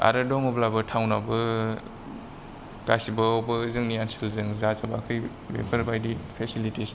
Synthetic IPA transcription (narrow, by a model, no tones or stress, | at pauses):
a̰ɾɯdɔŋɔblabɯtʰawnabɯ | ɡ̥asibɐobɯːzɯŋniansɯlzɯŋzazabaakʰɯj | bḛpʰɐɾbajdipʰesilitis